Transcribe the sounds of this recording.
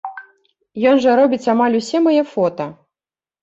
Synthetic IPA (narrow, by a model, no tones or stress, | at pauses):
jɔnʐɐɾɔbʲit͡sʲamalʲusʲɛmajɛfɔt̪ɐ